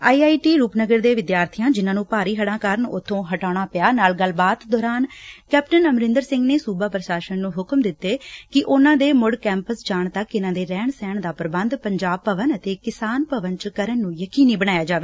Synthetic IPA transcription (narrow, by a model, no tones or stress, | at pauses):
aːiaːiːʈiːɾuːpnəɡəɾd̪eːʋɪd̪jaːɾt̪ʰijãːd͡ʒɪnãːnũːpaːɾiːɦəɽãːkəɾənʊt̪ʰːõːɦəʈaːɽ̃aːpɪjaːnaːlɡəlbaːt̪d̪ɔːɾaːnkɛːpʈənəmɾɪ̃nd̪əɾsɪ̃ŋɡneːsuːbaːpɾəʃaːʃənːũːɦʊkmd̪ɪt̪ːeːkɪʔʊnãːd̪eːmʊɽkɛ̃ːmpəsd͡ʒaːɳt̪əkːɪnãːd̪eːɾɛːɳsɛːɳd̪aːpəɾəbənd̪pəɲd͡ʒaːb̚pəʋənət̪eːkɪsaːnpəʋənt͡ʃəkəɾənːũːjəkiːniːbəɽ̃naːjaːd͡ʒaːʋeː